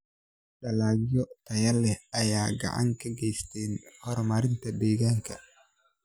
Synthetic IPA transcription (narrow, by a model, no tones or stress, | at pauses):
ɗɐlaːɡjɔt̪ʰɐjɐlɛhɐjaːɡɐ̰ʕa̰ŋkʰɐɡɛjst̪ʰɛnhɔɾmɐɾɪnt̪ʰɐd̪ɛːɣaːŋkʰɐ